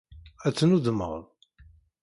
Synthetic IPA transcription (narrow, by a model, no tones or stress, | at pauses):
æt͡sːnuðəmə̰ʁlˤ